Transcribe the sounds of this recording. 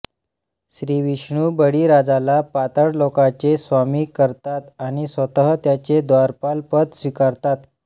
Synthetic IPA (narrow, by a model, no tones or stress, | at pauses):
ɕɾiːʋiɕɳuːbəɽiːɾad͡zalapat̪əɽlokat͡sesʋamiːkəɾt̪at̪aɽ̃isʋət̪əɦət̪jat͡sed̪ʋaɾpalpət̪sʋikaɾt̪at̪